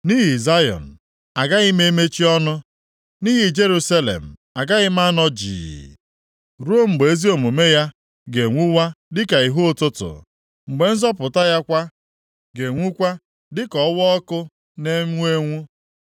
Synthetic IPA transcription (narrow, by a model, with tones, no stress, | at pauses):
ni˦ɦi˨za˦jɔ̰˨n̩˨ | a˨ɡa˦ɣɪ˦me˦me˦t͡ʃi˦ɔ˦nʊ˦ | ni˦ɦi˨d͡ʒe˦ɾu˦sa˦lḛ˨m̩˨a˨ɡa˦ɣɪ˦m˦a˦nɔ˦d͡ʒḭː˨ | ɾo˦m̩˨ɡ͡be˨e˦zi˦o˨mo˨me˦ja˦ | ɡe˨ŋʷu˦wa˦dɪ˦ka˨i˨ɦu˦ʊ˦˨tʊ˦tʊ̰˨ | ŋ͡m̩˨ɡ͡be˨n̩˦zɔ˦pʊ˨ta˦ja˦kʷa˦ | ɡe˨ŋʷu˦kʷa˦ | dɪ˦kɔ˨˦wɔ˦ɔ˦kʊ˦ | ne˦ŋʷu˦e˦ŋʷu˦